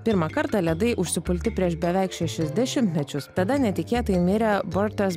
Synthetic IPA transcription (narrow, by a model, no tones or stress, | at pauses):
pʲɪɾmɐkɐɾt̪ɑlʲiɛd̪ɐɪʔʊʃʲsʲɪpʊlʲt̪ʲɪpʲɾʲiɛʃbʲɛʋʲæɪkʃʲɛʃʲɛzʲd̪ʲɛʃʲɪmʲt̪ʲmʲɛt͡ʃʲʊst̪ɐd̪ɐnʲɛt̪ʲɪkʲeːt̪ɐjɪmʲeːɾʲɛbɔɾʲt̪ʲos